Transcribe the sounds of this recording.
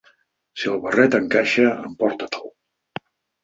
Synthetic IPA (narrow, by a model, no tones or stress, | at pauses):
siəlˠβərɛt̪əŋkaʃəə̰mpɔɾt̪ət̪əl